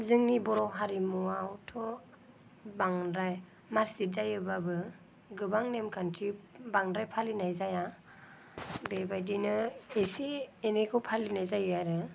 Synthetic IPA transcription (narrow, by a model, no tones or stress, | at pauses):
zɯŋnibɔɾɔɦaɾimuwawtʰɔ | baŋɾaj | maɾsizajɯbabɯ | ɡɯbaŋnemkʰantʰibaŋdɾajpʰalinajzaja | bebajdinɯesienekʰɯwpʰalinajzajɯaɾɯ